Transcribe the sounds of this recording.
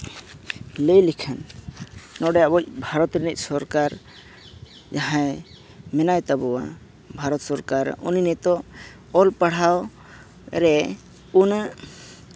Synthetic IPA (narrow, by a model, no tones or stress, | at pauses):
ləjlikʰanː | ɔɖɛjaʔbɔc̚bʱaɾɔt̪ɾinɛc̚ˀsɔɾkaɾ | d͡ʒaɦã | mɛnajt̪abɔwa̰ | bʱaɾɔt̪sɔɾkaɾ̰uninɛt̪ɔ | ɔlpaɽ̤aw | ɾɛ | un